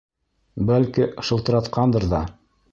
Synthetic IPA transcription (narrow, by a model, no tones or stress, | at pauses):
bælkiʃɤ̆lt̪ɤ̆ɾɑt̪qʰɑnd̪ɤɾðɑ